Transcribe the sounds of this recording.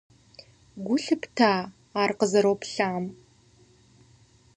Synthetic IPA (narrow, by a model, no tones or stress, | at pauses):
ɡʷʊɬɨptʰaː | aːrqəzɐɾowpɬaːm